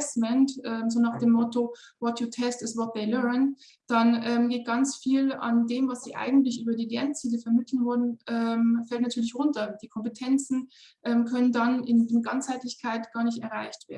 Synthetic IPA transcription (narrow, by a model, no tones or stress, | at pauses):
smɛntʔɛːmzoːnaːχd̥eːmːɔto | vɔtʰjutʰɛstɪstvɔt̚ðeɪlɛɐn | d̥anʔɛːmɡeːt̚ɡ̥ant͡sfiːla̰ndeːmvasz̥ḭːʔa̰ɪɡŋ̩tlɪçʔyːbɐdiːlɛɐnt͡siːləfɛɐmɪtl̩n̩vʊɐdn̩ʔɛmfɛltnatʰyːɐlɪçʁʊntɐd̥iːkʰɔmpətʰɛnt͡sn̩ | ʔɛːmkʰœnəndanɪndɪnɡ̥ant͡shaɪtlɪçkʰaɪtɡ̥aːɐnɪçtɛɐʁa̰ɪçtv̥eːɐ